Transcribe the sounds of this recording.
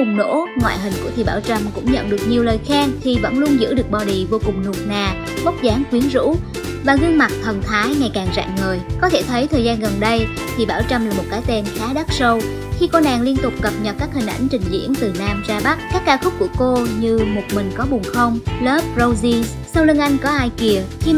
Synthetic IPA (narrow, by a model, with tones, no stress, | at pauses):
ʊ˨˩ŋ͡mno̰˧˥ŋwa̰ː˧˨jɦï˨˩ŋ̟kṵ˧˩ət̪ʰi˨˩ɓaː˧˩wt͡ɕə˧mkʊ̰˧˥ŋ͡mɲə̰˧˨nɗɨ˨˩ək̚ɲi˨˩əwləː˨˩jxɛ˧nt̪ʰi˨˩və̰˧˥nlu˧ənzɨ̰˧˥ɗɨ˨˩ək̚ɓɔ˨˩ɗi˨˩vo˧kʊ˨˩ŋ͡mnu˨˩ək̚naː˨˩ | ɓə˦˥k͡p̚zaː˨˦ŋkwi˨˦ənzṵ˧˥ | vaː˨˩ɣɨ˧əŋma˨˩t̚t̪ʰə˨˩nt̪ʰaː˨˦jŋa˨˩jkaː˨˩ŋza̰ː˧˨ŋŋəː˨˩jkɔ˨˦t̪ʰe˧˩t̪ʰə˨˦jt̪ʰəː˨˩jzaː˧nɣə˨˩nɗə˧j | t̪ʰi˨˩ɓaː˧˩wt͡ɕə˧mlaː˨˩mo˨˩t̚kaː˨˦jt̪ɛ˧nxaː˨˦ɗa˦˥t̚sə˧w | xi˧ko˧naː˨˩ŋli˧ənt̪ʊ˨˩k͡p̚kə˨˩p̚ɲə˨˩kaː˦˥k̚hï˨˩ŋ̟ʔa̰˧˩jŋ̟t͡ɕï˨˩ŋ̟zḭ˧˥ənt̪ɨ˨˩naː˧mzaː˧ɓa˦˥kaː˦˥kːaː˧xʊ˦˥k͡p̚ku˧˩əko˧ɲɨ˧mo˨˩t̚mï˨˩ŋ̟kɔ˨˦ɓʊ˨˩ŋ͡mxə˧wŋ͡mləː˦˥p̚zo˧wzi˧ | sa˧wlɨ˧ŋʔa˧jŋ̟kɔ˨˦ʔaː˧jki˨˩əxi˧